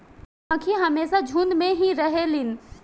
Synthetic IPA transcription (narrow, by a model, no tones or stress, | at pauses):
ãkʰiɦəmeːsad͡ʒʱũnd̪mẽɦiɾəɦelin